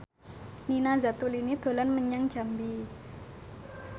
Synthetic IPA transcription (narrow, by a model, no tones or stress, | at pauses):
ninazat̪ulinid̪̥o̤lanməɲaŋ̥ʒ̥a̤mbi